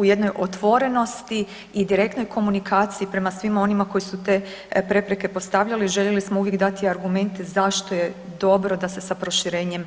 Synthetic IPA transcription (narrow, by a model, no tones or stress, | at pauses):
uje̞d̪no̞jʔo̞t̪ʋo̞ɾe̞no̞st̪iː | d̪iɾe̞k̚t̪no̞jkʰo̞munikʰaːt̪siipɾe̞masʋimao̞nimako̞jisut̪e̞ː | pɾe̞pɾeke̞po̞st̪aʋʎaliʒeʎe̞lismouːʋjekd̪at̪iaɾɡumẽ̞nt̪e̞zaʃt̪o̞je | d̪o̞bɾo̞d̪ase̞sapɾo̞ʃiɾe̞ːɲe̞m